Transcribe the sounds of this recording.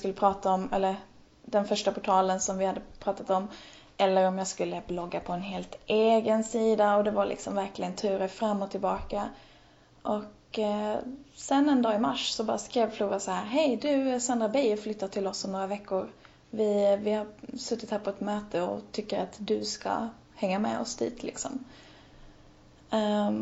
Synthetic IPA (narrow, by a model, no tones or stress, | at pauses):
skɵlːəpʰɾɑːt̪aɔmɛ̰lːəɾ | d̪ɛnfœʂʈapʰʊʈʰɑːlənsɔmvɪhad̪ːəpʰɾɑːt̪at̪ɔm | ʔɛlːəɾɔmjɑːskɵlːəblɔɡːapʰɔɛnɦeːlt̪ʔeːɡənsiːd̪aɔd̪ɛvaɾlɪ̰ksɔmvæɾklɪɡənt̪ʰʉ̟ːɾəfɾamːɔt̪ʰɪlbɑːka | ʔɔk | sɛnːɛnd̪ɑːɪmaʂsɔbɑːɾaskɾeːvfluːɾasahæːɾɦɛjd̪ɵsand̪ɾabɛjflʏt̪ːat̪ʰɪlɔsɔnoːɾavɛkːʊɾ | vɪvɪhaɾsɵt̪ːɪt̪hæːɾpʰɔɛt̪møːt̪əɔ̰t̪ʰʏkːəɾat̪d̪ɵska̰ | hɛŋːamɛ̰ɔ̰sd̪ḭːt̪ʰlɪ̰ksɔ̰m